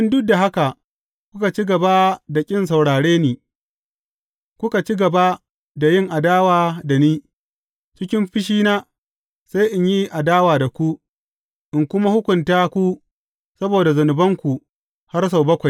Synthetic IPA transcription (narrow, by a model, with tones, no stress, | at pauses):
ɪ˦ndʊ˦k̚da˨ɦa˦ka˨ʔ | kʷʊ˦ka˨t͡ʃi˦ɡɐ˨ba˦da˨kʲʼɪ˦ns̬a˨wɽaː˨ɽeː˦niː˨ | kʷʊ˦ka˨t͡ʃi˦ɡɐ˨ba˦ | da˨jɪ˦˨ŋʔa˨daː˦waː˨da˨niː˦ | t͡ʃɪ˦kʲɪ˦mɸɪ˦ʃ̬iː˦naː˦ | sa˦jʔɪ˨ɲji˦ʔa˨daː˦waː˨da˨kʷu˦ʔ | ʔɪ˨ŋkʷʊ˦ma˦hʊ˦kʷʊ˨ntaː˦kʷu˦ | sɐ˦boː˨da˨zʊ˨nʊ˨bɐ˦ŋkʷu˨ | ha˦rs̬a˨wbɐ˦kʷa˨j